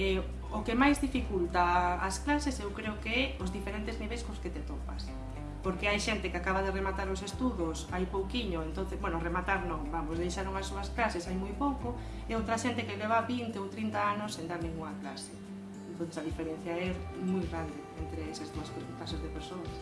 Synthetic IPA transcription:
ɛ | okemajzðifikult̪aːsklasesewkɾeʊkeɛʊzðifeɾent̪ezniβejskõʊsket̪et̪opa̰s | poɾkeajʃent̪ekeakaβaðeremat̪aɾosest̪uðʊsajpowkiɲʊent̪on̟θezbwɛnoremat̪aɾnõŋbamosðejʃaɾuŋasːoɐsklasesajmujpowko | ɪowt̪ɾaʃent̪ekeleβ̞aβint̪eowt̪ɾint̪aanʊsːẽnd̪aɾmeŋuŋaklasɪ̥ | ent̪õθesaðifeɾẽn̟θjaɛmujɣɾand̪eent̪ɾeesazðuɐskekasezðepeɾsoɐs

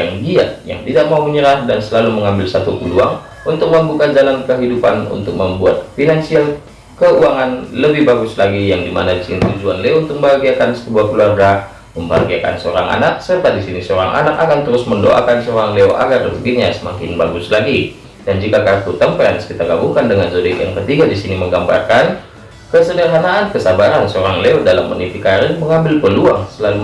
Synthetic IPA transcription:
aŋdia̰ʔja̰ŋt̪idaʔ̚mauməɲəɾahdansəlaluməŋambɪlsat̪ukuluaŋ | unt̪ʊk̚məmbukad͡ʒalankəɦidupanṵnt̪ʊk̚məmbua̰t̪̚finansial | kəuaŋanləbɪhbaɡʊslaɡijaŋdimanaisɪ̰nt̪ud͡ʒuanleount̪ʊk̚mbəɦaɡiakansəbuahkəluarɡa | məmba̰ɡiaka̰nsəoɾaŋa̰nak̚sərt̪at̪̚disinisoɾa̰ŋʔa̰nakakant̪əɾʊsməndo̰ʔa̰kansəoɾaŋleoʔa̰ɡarbəɡiɲasəmakɪnbaɡʊslaɡi | d̥and͡ʒikakart̪ut̪ampaanaskit̪akabuŋkandəŋanzodɛkja̰ŋkət̪iɡadisiniməŋɡamba̰rkan | kəsənərɦanaʔankəsabaɾansoɾaŋleodala̰mːə̰nifikaɾɪnməŋambɪlpəluaŋsəlalu

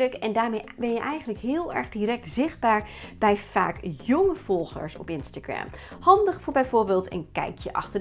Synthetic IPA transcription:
ləkɛndaːɹmejbɛnjəʔɛjχənləkɦɪːlˠɛ̰ɹχdiɾɛk̚tz̥ɪχd̚baːɹb̥ɛjv̥a̰ːkjɔŋəv̥ɔlˠχə̰ɹsɔ̰pɪnstaɡɹɛ̰mhɑndəχfʊːɹbɛjvʊːɹbɪːlˠtə̰nkɛ̰jkjəʔɑ̰χtə

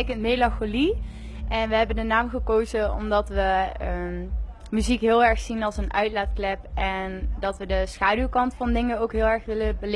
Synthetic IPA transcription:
jkəntmejlɑxoli | ʔɛnʋəɦɛbəndənaːmχəkowzəɔ̰mdɑtʋəə | myzikɦɪːlˠɛɹxsinɑlˠsənʔœɥtlaːtklɛpɛndɑtʋədəsχaːdywkɑntfɑndɪŋəowkɦɪːlˠɛɹxʋɪləbəl

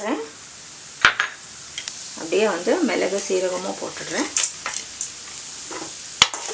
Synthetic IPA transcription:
ɾẽː | ɐ̰pːɽɪjaːʋɐnd̪ɯmɛlɐɣɯsiːɾɐʋɐmoːpo̰ːʈːɯʈɾẽː

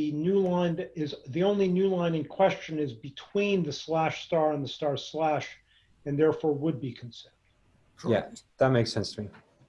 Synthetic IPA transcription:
ɨnʉlãɪ̃nɪzðiõʊ̃nlinʉlãɪ̃nɪ̃ŋkʰw̥ɛst͡ʃɨ̃nɨɪzbɨtʰw̥ĩnðɨslæʃstɑɹə̃nðəstɑɹslæʃ | ɨ̃nðɛɹfɔɹwəd̚bikʰn̩sɛ̃ | jæ̰ðət̚meɪksɛ̃nstʰəmi

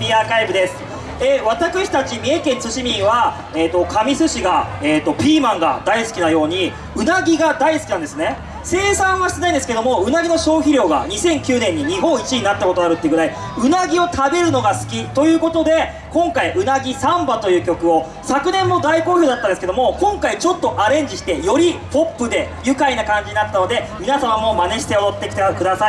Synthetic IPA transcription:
iakaibɯ̟d̪e̞sɨ̥ | eβat̪akɯ̟ɕi̥t̪at͡ɕimʲiekẽ̞nt͡sɨɕimʲĩɰ̃βa | eːt̪o̞kʰamʲisɨɕiɡaeːt̪ːo̞pʲiːmãŋɡa̰d̪aisɨ̥kʲinajo̞ːɲ̟i | ɯ̟naɡʲiɡad̪aisɨ̥kʲinãnd̪sɨne̞ | se̞ːsãɰ̃βaɕi̥t̪eaĩnd̪esɨ̥ked̪o̞mo̞ɯ̟naɡʲino̞ɕo̞ːçiɾʲo̞ːɡa̰ɲ̟isẽ̞ŋkʲɨːnẽ̞ɲ̟ːiɲ̟iɦõ̞ɰ̃it͡ɕiɲ̟inat̪ːakot̪oaɾɯ̟t̪ːeɡɯ̟ɾai | ɯ̟naɡʲio̞t̪ʰabe̞ɾɯ̟no̞ɡasɨ̥kʲit̪o̞jɯ̟ːko̞t̪o̞d̪e̞ | kõ̞ŋkaiʔɯ̟naɡʲisãmbat̪o̞jɯ̟ːkʲo̞kɯ̟o̞ | sakɯ̟nẽ̞mːo̞d̪aiko̞ːço̞ːd̪at̪ːãnd̪esɨ̥ked̪o̞mo̞kõ̞ŋkait͡ɕo̞t̪ːo̞ʔaɾẽ̞ɲ̟d͡ʑiɕi̥t̪e̞jo̞ɾʲipo̞pːɯd̪e̞jɯ̟kainakãɲ̟d͡ʑiɲ̟inat̪ːano̞d̪e̞mʲinasamamo̞mane̞ɕi̥t̪e̞ot̪ːe̞kʲi̥t̪ekɯ̟d̪asai

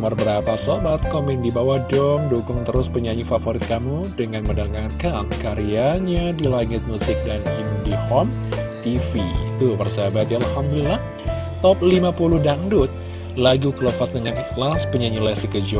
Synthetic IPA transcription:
mərbəɾapasobat̪̚kɔmɛndibawahdɔmdukʊŋt̪əɾʊspəɲaɲifafoɾɪt̪̚kamu | dəŋanməndaŋarkankaɾiaɲadilaŋɪt̪̚musɪk̚danimudihɔm | t̪ifit̪ubərsəɦabat̪jaalhamd̪ulilah | t̪ɔp̚limapulʊhdaŋdʊt̪̚ | laɡukələfasdəŋanixlaspəɲaɲilasikəd͡ʒɔ

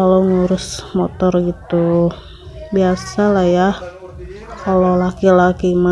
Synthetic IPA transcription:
aloŋuɾʊsmɔt̪ɔrɡit̪u | biasalaja | kalolakilakima

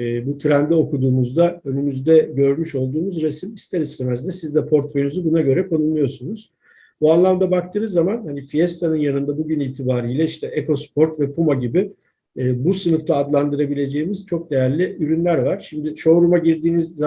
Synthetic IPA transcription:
but̪ʰɾænd̪ɛo̞kud̪uːmuzd̪aø̞nymyzd̪ɛɟø̞ɾmyʃo̞lˠd̪uːmuzɾesimist̪ʰeɾissimæɾzd̪ɛsizd̪ɛpʰo̞ɾt̪fojynuzubunaɟø̞ɾɛkʰo̞nullˠujo̞sunuz̥ | buanlˠamd̪abak̚t̪ʰɯnɯzːamanhanifijɛst̪ʰanɯnjanɯnd̪abuɟynilʲt̪ʰibaːɾijlʲɛiʃt̪ʰɛʔeko̞spʰo̞ɾt̪vɛpumaɟibiː | busɯnɯft̪ʰaːd̪lˠand̪ɯɾabilʲe̞d͡ʒe̞jimiz̥t͡ʃʰo̞k̚d̪e̞jæɾlʲiyɾynlʲæɾvaɾ̥ʃimd̪ɪʃo̞ɾumaɟiɾd̪iːnizː

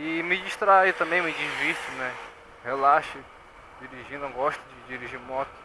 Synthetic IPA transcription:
ɪmɪd͡ʒiʃt̪ɾait̪ɐ̃mbẽj̃umĩd͡ʒivisʊnɛ | helaʃʊ | d͡ʒiɾiʒĩnd̪ɐ̃w̃ɡɔʃt̪ʊd͡ʒɪd͡ʒiɾiʒimɔt̪ʊ̥

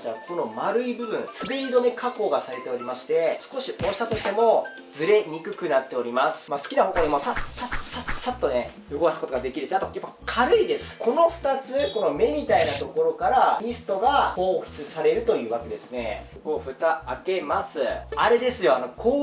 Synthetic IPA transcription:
t̪aakʰo̞no̞maɾɯ̟ibɯ̟bɯ̟̃nt͡sɨdeɾʲid̪o̞nekʰako̞ːɡasaɾe̞t̪e̞o̞ɾʲimaɕi̥t̪e̞sɨ̥ko̞ɕiʔoːɕi̥t̪at̪o̞ɕi̥t̪e̞mo̞ | d͡zɨɾe̞ɲ̟ikɯ̟kɯ̟nat̪ːe̞o̞ɾʲimasɨ̥masɨ̥kʲinaho̞ko̞ːɲ̟ʲimo̞sasasasat̪ːo̞ne̞ | joɡoasɨ̥ko̞t̪oad̪e̞kʲiɾɯ̟ɕiat̪ojapːakʰaɾɯ̟id̪e̞sɨ̥kʰo̞no̞ɸɯ̥t̪at͡sɨko̞no̞me̞mʲit̪ainat̪o̞ko̞ɾo̞kaɾaɲ̟isɨ̥t̪o̞ɡaho̞ːçi̥t͡sɨsaɾe̞ɾɯ̟t̪o̞jɯ̟ːβake̞d̪e̞sɨne̞̰ | ko̞ːɸɯ̟t̪aake̞masɨaɾe̞d̪e̞sɨjo̞ano̞kʰoː

